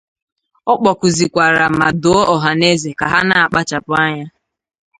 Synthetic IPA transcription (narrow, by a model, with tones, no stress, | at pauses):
ɔ˦k͡pɔ˨kʊ˨zi˨kʷa˨ɾa˨m̩˨ma˨do˦o˦ʔɔ˨ɦa˨ne˦ze˨ka˨ɦa˦na˦a˨k͡pa˦t͡ʃa˨pʊ˦a˦ɲa˦